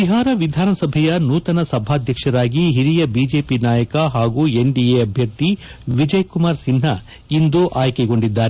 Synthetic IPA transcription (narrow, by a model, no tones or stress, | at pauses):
ʋiɦaːɾɐʋid̪ʱaːnɐsɐbʱɛjɐnuːt̪ɐnɐsɐbʱaːd̪ʱjɐkʂɐɾaːɡiɦiɾijɐbiːd͡ʒe̞ːpinaːjɐkɐɦaːɡuːe̞ɳɖieɐbʱjɐɾt̪i | ʋid͡ʒɐjkumaːɾsinɦɐ | ind̪uʔaːjkɛɡo̞ɳɖid̪ːaːɾe